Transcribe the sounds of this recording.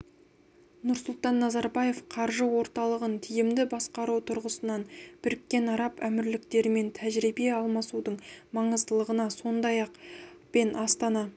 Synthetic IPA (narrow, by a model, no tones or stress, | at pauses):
nʊɾsʊlˠt̪ɑnːɑzɑɾbɑje̞fqʰɑɾʒəwo̞ɾt̪ɑlˠəʁənt̪ʰijɪmd̪ɪbɑsqɑɾuwt̪ʰʊɾʁəsənɑnb̥ɪɾkʲːe̞nɑɾɑpæmɪɾlɪkt̪e̞ɾɪme̞nt̪ʰæʒɾibe̞ɑlˠmɑsud̪əɴmɑɴəzt̪əlˠəʁənɑso̞nd̪ɑjɑqpe̞nʔɑst̪ɑnɑ